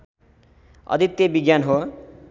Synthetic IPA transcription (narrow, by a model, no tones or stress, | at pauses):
ʌ̰d̪ʱit̪jebiɡjanɦo